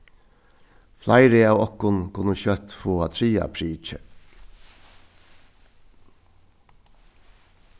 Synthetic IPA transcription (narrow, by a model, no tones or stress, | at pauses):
flʔæɪɾeɑːɔkʊnkʰʊnəçœt̪foːɑt̪ʰɾiːɑ̰pʰɾiːt͡ʃə